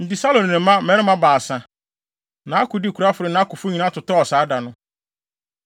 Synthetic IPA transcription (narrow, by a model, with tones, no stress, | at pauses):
n̩˨dɪ˨sa˦lõ˨n˨nɪ̃˨˦mã˦mɛ̃˨˦ɪ̃˦mã˦baː˨sã˨ | nã˨a˦kʰʊ˨dɪ˦˨kʰu˨ɾa˦fʊ˨ɾɪ˨nã˨˦a˦kʊ˨fʊ˦ɲĩ˨nã˦tʰʊ˨tɔ˦ɔ˨saː˨˦da˨nʊ̃˦